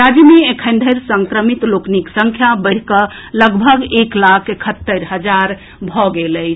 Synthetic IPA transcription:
ɾad͡ʒjəmeekʰənd̪ʱəɾsəŋkɾəmit̪lokniksə̃ŋkʰjabəɪɽ̤kələɡbʱəɡeklakʰekʰət̪ːəɾɦəd͡ʒaɾ | bʱɔɡeləɪt͡ʃʰ

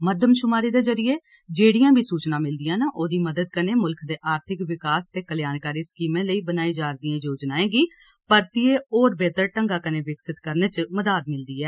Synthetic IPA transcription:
məd̪ʱəmʃʊmaːɾiːd̪eːzəɾɪjeː | d͡ʒeːɽɪjãːbʱiːsuːt͡ʃnãːmɪld̪ɪjãːnaːʔoːd̪iːməd̪əd̪kəneːmʊlkʰd̪eːʔaːɾt̪ʰɪkʋɪkaːst̪eːkəljaːnkaːɾiːskiːmẽːləiːbənaːĩːd͡ʒaːɾd̪ɪjãːjoːd͡ʒnaːẽːɡiː | pəɾt̪ieːoːɾbeːt̪əɾʈəŋɡaːkənẽːʋɪksɪt̪kəɾneːt͡ʃməd̪aːd̪̚mɪld̪iːɛː

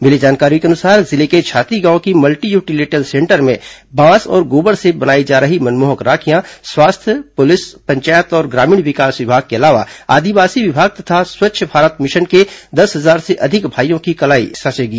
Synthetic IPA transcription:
mɪlid͡ʒaːnkaːɾikeɐnʊsaːɾzɪleket͡ʃʰaːt̪iɡãːõkimɐlʈijuːʈileːʈəlsẽɳʈəɾmẽbãːsɔ̰ːɾɡoːbəɽsebɐnaːid͡ʒaːɾəɦimɐnmoːɦəkɾaːkʰijãswaːst̪ʰjəpʊlɪspɐ̃ɲt͡ʃaːjət̪ɔːɾɡɾaːmɪːɳʋɪkaːsʋɪbʱaːɡ̚keɐlaːʋa̰a̰ːd̪iʋaːsiʋɪbʱaːɡ̚t̪ɐt̪ʰaswɐtːʃʰəbʱaːɾət̪mɪʃənked̪ɐsɦɐzaːɾseʔɐd̪ʱɪkbʱaːijõkikɐlaːḭsɐt͡ʃeːɡiː

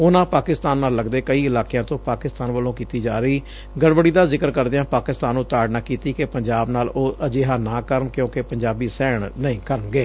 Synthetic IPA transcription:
ʊnãːpaːkɪst̪aːnːaːlːəɡd̪eːkəiːɪlaːkjãːt̪õːpaːkɪst̪aːnʋəlõːkiːt̪iːd͡ʒaːɾəiː | ɡəɽʋəɽiːd̪aːzɪkəɾkəɾd̪ejãːpaːkɪst̪aːnːũːt̪aːɽnãːkiːt̪iːkepəɲd͡ʒaːbnaːloːʔəd͡ʒeːɦaːnãːkəɾəɳkjõːkepəɲd͡ʒaːbiːsɛːɳnəĩːkəɾənɡeː

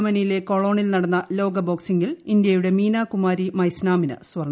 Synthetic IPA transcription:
mɐnɐjile̞ko̞ɭo̞ːɳilnɐɽɐnːɐlo̞ːɡɐbo̞ːksiŋɡilind̪jɐjuɽe̞miːnaːkumaːɾimɐjsnaːminɨ̰sʋɐrɳ

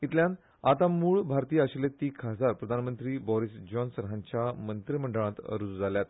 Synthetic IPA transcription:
it̪ljãn | at̪amuːɭbʱaɾt̪iːaɕlet̪iːkʰəd͡zaɾpɾəd̪ʱanmənt̪ɾiːbɔɾisd͡ʑɔnsɾɦãɲt͡ɕjamənt̪ɾim̤əɳɖəɭ̃ãt̪ə̰ɾud͡zud͡zaljat̪

